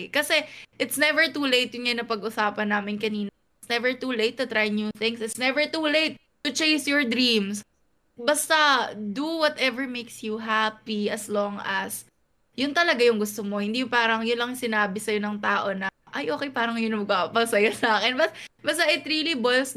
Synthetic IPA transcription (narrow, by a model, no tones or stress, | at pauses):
kɐsɛʔɪt̪snɛvɛɹt̪uːlejt̪̚jʊŋɐjonɐpɐɡʔʊsaːpɐnːaːmɪnkɐniːnɐ | ɪt̪snɛvɛɹt̪ulejt̪ːʊt̪ɾajnjuθɪ̃ŋsɪt̪snɛvɛɹt̪uːlejt̪̚ːʊt͡ʃeɪsjɔɹd̪ɾĩms | bɐst̪ɐd̪uwɔt̪ɛvɛɹmejksjuɦapiɐslɔŋɐs | jʊnt̪ɐlɐɡajʊŋɡʊst̪omohɪnd̪ijʊpaːɾɐŋjʊnlɐŋsɪnaːbɪsɐjo̞nɐŋt̪aːʔo̞nɐʔɐjʔoːkɛjpaːɾɐŋjʊnɐmɐɡ̚papɐsɐjɐsaːkɛnbɐsbɐst̪ɐʔɪt̪ɾilɪbols